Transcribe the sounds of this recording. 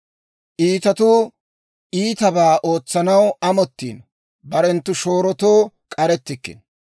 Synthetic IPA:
ʔiːt̪ɐt̪ʊ | ʔiːt̪ɐbaːʔo̞ːt͡sːɐnɐwɐmɔt̪ːḭːn | bɐɾɛnt̪ːʊʃo̞ːɾɔt̪o̞ː | kʼɐɾɛt̪ːɪkːɪ̰n

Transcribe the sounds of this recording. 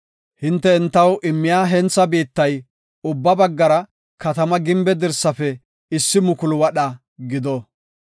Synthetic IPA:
hɪnt̪ːɛɪnt̪ːɐwʔɪmːɪjaːɦɛnt͡sːɐbiːt̪ːɐj | ʊbːɐbɐɡːɐɾɐ | kɐt̪ɐmɐɡɪmbɛd̪ɪɾsːɐfɛ | ɪsːɪmʊkʊlʊwɐɗɐ | ɡɪd̪ɔ

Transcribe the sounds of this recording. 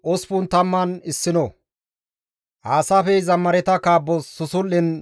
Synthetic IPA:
ʔɔspʊnt̪ɐmːɐnɪsːɪnɔ | ʔaːsafɛzɐmːɐɾɛt̪ɐkaːbːɔsʊsʊlːɪn

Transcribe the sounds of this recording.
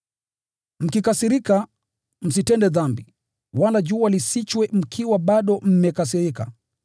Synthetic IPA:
m̩kikasiɾika | m̩sitɛndɛðambi | walaʄuːalisit͡ʃwɛm̩kʰiwaɓaɗɔm̩mɛkas̬iɾika̰

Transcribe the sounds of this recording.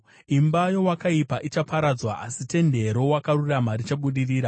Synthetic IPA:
imbajo̞wakaipaʔit͡ʃapaɾad͡zwaasite̞nde̞ɾo̞wakaruramaɾit͡ʃaɓuɗiriːɾa

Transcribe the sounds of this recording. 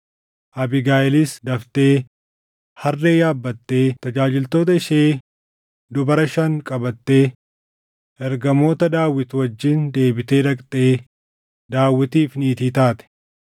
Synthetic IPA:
ʔɐbɪɡaːʔɪlɪsd̪ɐft̪e̞ː | hɐrːe̞ːjaːbːɐt̪ːe̞ːt̪ɐd͡ʒaːd͡ʒɪlt̪o̞ːt̪ɐɪʃeː | d̪ʊbɐɾɐʃɐŋkʼɐbɐt̪ːe̞ː | ʔɛɾɡɐmo̞ːt̪ɐd̪aːwːɪt̪wɐd͡ʒːɪnd̪e̞ːbɪt̪e̞ːd̪ɐkʼt̪ʼeː | d̪aːwːɪt̪iːfniːt̪iːt̪aːt̪ɛ̥

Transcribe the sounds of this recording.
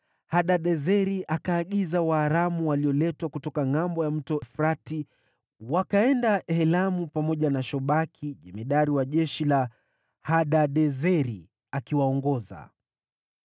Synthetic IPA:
haɗaɗɛzɛɾiʔakaːɠizawaːɾamuwaliɔlɛtwakutɔkaŋambɔjam̩tɔfɾati | wakaɛndahɛlamupamɔʄanaʃɔɓakʰiʄɛmɛɗaɾiwaʄɛʃila | haɗaɗɛzɛɾi | akiwaɔŋɡɔza̰

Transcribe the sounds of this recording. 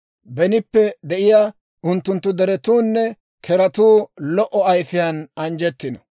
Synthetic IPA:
bɛnɪpːɛd̪ɛʔɪja | ʊnt̪ːʊnt̪ːʊd̪ɛɾɛt̪uːnːɛ | kʰɛɾɐt̪uːlɔʔɔɐjfɪjɐnɐnd͡ʒɛt̪ːɪnɔ

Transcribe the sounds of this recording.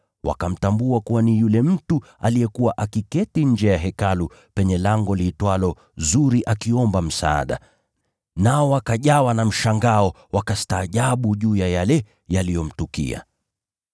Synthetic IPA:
wa̰kam̩tambuakuwanijulɛm̩tualijɛkuwaʔakikɛtiɲ̩d͡ʒɛjaɦɛkalu | pɛɲɛlaŋɡɔlitwalɔ | zuɾiʔakiɔmbam̩sa̰a̰ɗa̰ | naɔwakaʄawanam̩ʃaŋɡaɔ | wakastaːʄaɓuʄuːjajalɛ | jalijɔm̩tukḭa̰

